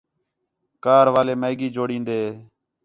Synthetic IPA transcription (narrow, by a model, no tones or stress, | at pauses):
kaːɾʋaːleːməːɡiːd͡ʒoːɽĩːnd̪eː